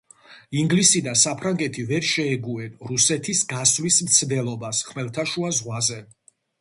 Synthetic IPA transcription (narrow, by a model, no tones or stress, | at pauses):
iŋɡlisid̪asapʰɾaŋɡɛt̪ʰivɛɾʃɛːɡuɛnɾusɛt̪ʰisɡasvlismt̪sʰd̪ɛlˠɔbasχmɛlˠt̪ʰaʃuazʁwazɛ